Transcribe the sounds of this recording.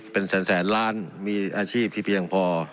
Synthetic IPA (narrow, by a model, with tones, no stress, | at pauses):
pe˧nsɛː˩˦nsɛː˩˦nlaː˦˥nmiː˧ʔaː˧t͡ɕʰiː˥˩p̚t̪ʰiː˥˩pʰi˧əŋpʰɔː˧